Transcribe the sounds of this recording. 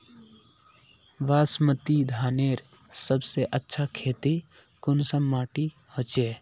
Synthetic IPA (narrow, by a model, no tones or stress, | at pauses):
ʋaːsmət̪id̪ʱaːneːɾ | səbseʔətːʃʰakʰeːt̪i | kʊnsəmːaːʈi | hoːt͡ʃeː